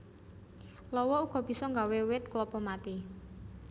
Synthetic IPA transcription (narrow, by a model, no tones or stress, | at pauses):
lɔwɔuɡ̥ɔ̤b̥i̤sɔŋɡawewɪt̪klɔpɔmat̪i